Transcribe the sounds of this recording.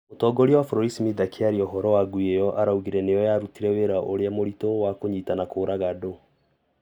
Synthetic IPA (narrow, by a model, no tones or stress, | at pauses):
motɔːɡɔɾiawafɾɔɾisimiðakʰeaɾiɔɦɔɾɔwaɡuejɔʔaɾauɣiɾɛnejɔjaɾutiɾɛweɾaʔoɾeamoɾitowakoɲitanakoːɾaɣado